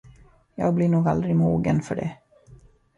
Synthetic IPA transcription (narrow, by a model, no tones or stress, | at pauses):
jɑ̰ːɡ̚blɪɳuːɡald̪ɾɪmuːɡənfœ̰ɖɛ̰